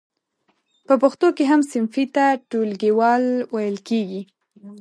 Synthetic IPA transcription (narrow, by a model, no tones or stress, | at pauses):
pəpʊxt̪okeɦamsɪnfit̪aʈolɡewɑlwajəlkeɡi